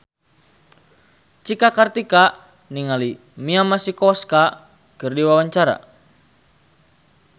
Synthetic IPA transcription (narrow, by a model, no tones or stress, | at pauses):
t͡ʃikakart̪ika | niŋali | miamasikɔska | kɨrdiwawaɲt͡ʃaɾa̰